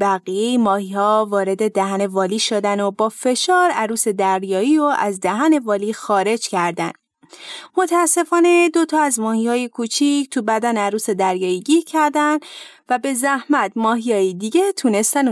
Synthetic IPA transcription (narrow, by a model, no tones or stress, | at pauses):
bæɣijejimɒːhihɒːvɒːɾe̞d̪e̞d̪æhæne̞vɒːliːʃod̪ænobɒːfe̞ʃɒːɾæɾuːse̞d̪æɾjɒːiːɾoʔæzd̪æɦæne̞vɒːliːxɒːɾe̞d͡ʒcʰæɾd̪æn | mo̞t̪ʰæːsːe̞fɒːne̞d̪o̞t̪ʰɒːæzmɒːhiːhɒːjekʰuːt͡ʃʰict̪ʰubæd̪ænæɾuːse̞d̪æɾjɒːiɟiːɾcʰæɾd̪ænd̪væbe̞zæhmæt̪mɒːɦijɒːjid̪iːɟet̪ʰuːne̞st̪æn